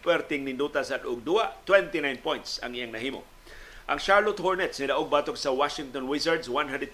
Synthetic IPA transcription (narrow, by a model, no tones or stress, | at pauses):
pɛɾt̪ɪŋnɪnd̪ut̪asad̪ʔʊɡ̚d̪uat̪wɛnt̪inajnpojnt̪sɐ̰ŋʔijaŋnɐɦiːmʊ̰ | ʔaŋʃaɹlʊt̪hoɹnɛt̪snid̪aʔʊɡ̚baːt̪oksawaʃɪŋt̪onwɪsaɹd̪swanɦãnd̪ɛd̪